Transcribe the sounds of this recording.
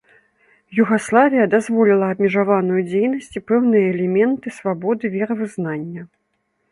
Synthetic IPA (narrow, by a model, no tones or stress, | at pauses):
juɣaslˠavʲijɐd̪azvɔlʲilˠɐːbmʲiʐavanujud͡zʲejnɐsʲt͡sʲipɛwnɨjɐɛlʲɛmʲɛnt̪ɨsvabɔd̪ɨvʲɛɾɐvɨznanʲːɐ